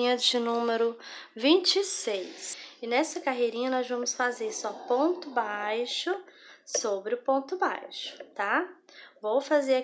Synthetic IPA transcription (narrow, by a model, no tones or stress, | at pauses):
ĩɲɐd͡ʒɪnũmeɾʊ | vĩnt͡ʃɪsejsɪnɛsɐkaɦejɾĩɲɐnɔzvɐ̃mʊsfazeɾsɔpõnt̪ʊbajʃʊsobɾɪʊpõt̪ʊba̰jʃʊ̥t̪a | vowfazeɾa